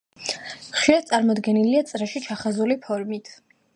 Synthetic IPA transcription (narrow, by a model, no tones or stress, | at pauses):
χʃiɾad̪̚t̪sʼaɾmɔd̪ɡɛniliat̪sʼɾɛʃit͡ʃʰaχazulipʰɔɾmit̪ʰ